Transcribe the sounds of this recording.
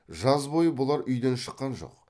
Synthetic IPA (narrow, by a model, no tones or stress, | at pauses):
ʒɑzbo̞jəbʊlˠɑɾʔʏjd̪enʃə̥qːɑnʒo̞̰q̚